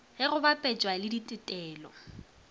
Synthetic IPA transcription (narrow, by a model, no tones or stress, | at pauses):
hɪɣʊbapʼɛt͡ʃʼwalɪditʼɪtʼɛːlɔ